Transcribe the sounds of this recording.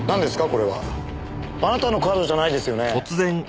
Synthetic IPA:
nãnd̪e̞sɨ̥kako̞ɾe̞βa̰ | anat̪ano̞kaːd̪o̞ʑanaid̪e̞sɨjo̞neot͡sɨzẽ̞ŋ

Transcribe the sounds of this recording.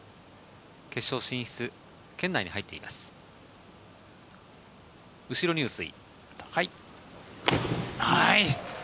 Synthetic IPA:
ke̞ɕo̞ːɕĩɰ̃çʲi̥t͡sɨ | kẽ̞nːaiɲ̟ihait̪ːeḭma̰sɨ̥ | ɯ̟ɕiɾo̞ɲ̟ʲiɯsɨḭ | takai | haji

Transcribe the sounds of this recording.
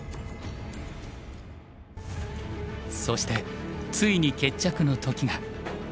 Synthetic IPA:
so̞ɕi̥t̪e̞t͡sɨiɲ̟ike̞t͡ɕːakɯ̟no̞t̪o̞kʲiɡa

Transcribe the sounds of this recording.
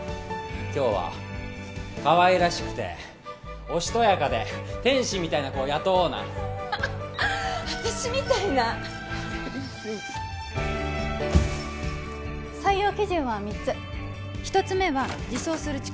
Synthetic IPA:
kʲo̞ːβa̰ | kaβaiɾaɕi̥kɯ̟̥t̪e̞̰ | o̞ɕi̥t̪o̞jakad̪e̞t̪ẽ̞ɰ̃ɕĩmʲːit̪ainako̞ːjat̪oːna̰ | at̪aɕimʲit̪aina | saijo̞ːkʲiʑɨ̃ɰ̃βamʲit͡sɨ | çi̥t̪o̞t͡sɨme̞βad͡ʑiso̞ːsɨɾɯ̟t͡ɕi̥

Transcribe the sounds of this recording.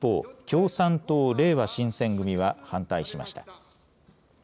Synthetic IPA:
pːo̞̰ːkʲo̞ːsãnt̪o̞ːɾe̞ːβaɕĩɰ̃sẽ̞ŋɡɯ̟mʲiβahãnt̪aiɕima̰ɕi̥t̪ḁ

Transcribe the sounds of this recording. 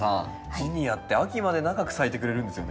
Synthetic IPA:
ã | iɲ̟ijat̪ːe̞akʲimad̪e̞naɡakɯ̟sait̪e̞kɯ̟ɾe̞ɾɯ̟̃nd̪e̞sɨjon

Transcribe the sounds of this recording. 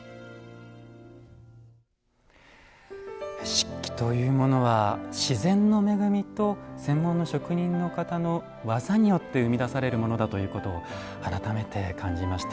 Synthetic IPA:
ɕi̥kʲːi̥t̪o̞jɯ̟ːmo̞no̞βaɕizẽ̞nːo̞me̞ɡɯ̟mʲit̪o̞sẽ̞mːõ̞nːo̞ɕo̞kɯ̟ɲ̟ĩnːo̞kat̪ano̞ | βazaɲ̟ijo̞t̪ːe̞ɯ̟mʲid̪asaɾe̞ɾɯ̟mo̞no̞d̪at̪o̞jɯ̟ːko̞t̪o̞ː | aɾat̪ame̞t̪e̞kʰãɲ̟d͡ʑimaɕi̥t̪a

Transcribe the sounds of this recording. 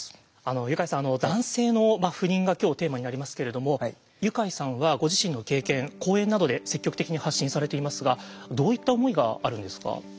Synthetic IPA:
ano̞jɯ̟kaisãːno̞d̪ãɰ̃se̞ːno̞maɸɯ̟ɾĩŋɡakʲo̞ːt̪e̞ːmaɲinaɾʲimasɨ̥ke̞ɾe̞d̪o̞mo̞ | jɯ̟kaisãɰ̃βaɡo̞ʑiɕĩnːo̞ke̞ːkẽ̞ŋko̞ːẽ̞nːad̪o̞d̪e̞se̞kʲːo̞kɯ̟̥ekʲiɲ̟ihaɕːĩɰ̃saɾe̞t̪e̞imasɨɡad̪o̞ːit̪ːaomo̞iɡa̰ːɾɯ̟̃nd̪e̞sɨ̥ka̰

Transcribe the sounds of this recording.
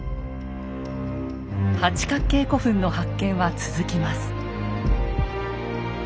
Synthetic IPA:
hat͡ɕi̥kakːe̞ːko̞ɸɯ̟̃nːo̞hakːẽ̞ɰ̃βat͡sɨzɨkʲimasɨ̥

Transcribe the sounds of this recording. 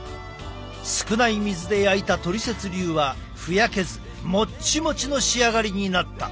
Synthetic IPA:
sɨ̥kɯ̟naimʲizɨd̪e̞jait̪at̪o̞ɾʲise̞t͡sɨɾʲɨːβa | ɸɯ̟jake̞zɨ | mo̞t͡ɕimo̞t͡ɕino̞ɕiaɡaɾʲiɲ̟inat̪ːa̰

